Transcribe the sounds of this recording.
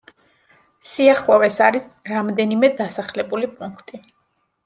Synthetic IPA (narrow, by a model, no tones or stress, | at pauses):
siaχlˠɔvɛsaɾisɾamd̪ɛnimɛd̪asaχlɛbulipʼuŋkʰt̪ʼi